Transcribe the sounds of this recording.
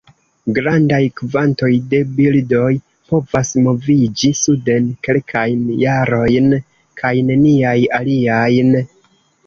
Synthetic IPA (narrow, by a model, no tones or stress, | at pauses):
ɡɾandajkvanto̞jde̞bildo̞j | po̞vasmo̞vid͡ʒisude̞nke̞lkʰajnjaɾo̞jn | kʰajne̞niajaliajn